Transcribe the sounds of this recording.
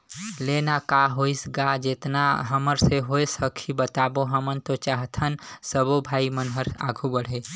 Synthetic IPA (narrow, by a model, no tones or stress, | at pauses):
lenakaɦoisɡad͡ʒet̪naɦəməɾseɦoesəkʰibət̪aboɦəmənt̪ot͡ʃaɦt̪ʰənsəbobʱaimənɦəɾa̰ɡʱubəɽ̤e